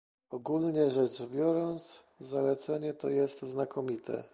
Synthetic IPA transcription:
ɔɡulɲɛʐɛt͡ʂbʲjɔɾɔnt̪s | zalɛt̪sɛɲɛt̪ɔjɛst̪znakʰɔmʲit̪ʰɛ̰

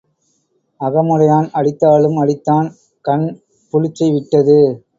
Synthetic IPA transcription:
ɐɣɐmɯɾɐjaːnɐɻɪt̪ːaːɭɯmɐɭɪt̪ːaːn | kɐɳ | pʊɻɪt͡ʃːɐɪʋɪʈːɐðɯ

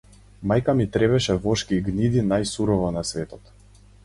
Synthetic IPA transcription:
majkamit̪ɾɛβɛʃɛvɔʃkiɡnid̪inajsuɾɔvɔnasvɛt̪ɔt̪

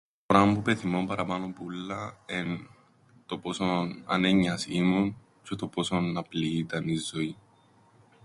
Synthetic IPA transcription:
ɾɐmpupeθimo̞mpɐɾɐpɐnompulːɐen | t̪o̞po̞sonɐ̰neɲːɐsimun | t͡ʃet̪o̞po̞sonɐpliːt̪ɐnizːo̞i

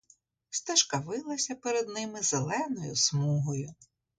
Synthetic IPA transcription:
st̪ɐʃkɐʋɪlˠɐsʲɐpeɾed̪nɪmɪzelˠɛnɔjʊsmuɦɔjʊ

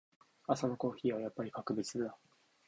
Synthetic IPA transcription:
asonoko̞ːçiːβajapːaɾʲikakɯ̟bʲit͡sɨɯd̪a

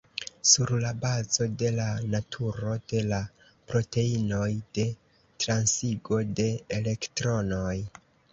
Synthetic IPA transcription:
suɾlabazo̞de̞lanatʰuɾo̞d̥e̞la | pɾo̞te̞ino̞jd̥e̞ | tɾansiɡo̞de̞ːle̞ktɾo̞no̞j

